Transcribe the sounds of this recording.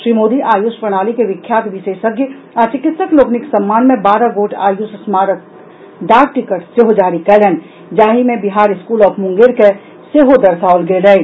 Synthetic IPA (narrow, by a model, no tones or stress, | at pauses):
ʃɾimoːd̪iʔaːjuspɾəɽ̃aːlikeʋɪkʰjaːt̪bʱɪsesəkje | at͡ʃɪkɪt̪səkloːknɪksəmːaːnmẽbaːɾaɡoːʈʰa̰ːjʊssmaːɾət̪̚ | ɖ̪aːɡ̚ʈɪkəʈseɦod͡ʒaːɾikɛlɛn | d͡ʒaːɦimẽbiɦaːɾɪskuːlɔːpʰmʊ̃ŋɡeɾke | seɦod̪əɾsaːolɡelɛi